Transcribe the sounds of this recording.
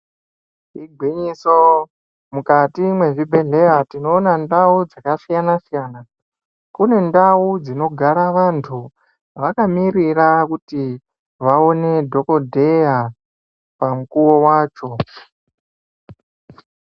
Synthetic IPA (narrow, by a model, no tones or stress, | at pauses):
iɡʱwiɲiso | mukatimwe̞ʐibʱe̞ɮe̞jatino̞ːnandaud͡zakasijanasijaːna | kune̞ndaud͡zino̞ɡʱaɾaʋantʰu | ʋakamirirakuti | ʋao̞ne̞dʱo̞ko̞dʱe̞ja | pamukuwo̞waːt͡ʃo̞